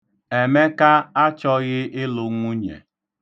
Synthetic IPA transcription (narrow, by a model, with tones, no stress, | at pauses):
e˨me˦ka˦a˦t͡ʃɔ˦ɣɪ˦ʔɪ˦lʊ˨ŋʷu˦ɲḛ˨